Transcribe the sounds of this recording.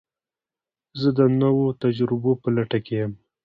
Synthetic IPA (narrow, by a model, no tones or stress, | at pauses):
zəd̪ənawot̪ad͡ʒɾɪbopəlaʈakejəm